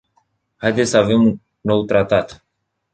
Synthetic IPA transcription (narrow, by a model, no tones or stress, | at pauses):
hajd̪esəave̞mu | no̞wt̪ɾat̪at̪